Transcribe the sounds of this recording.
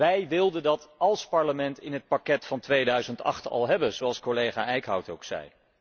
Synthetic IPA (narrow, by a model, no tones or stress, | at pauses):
ʋɛjʋɪlˠdəndɑtɑlˠspɑɹləmɛntɪnɦət̚pakɛtfɑntʋejdœɥzəntɑ̰χtɑ̰lˠɦɛbənzoɑlˠskolejχaːʔɛjkɦɑwtowksɛ̰j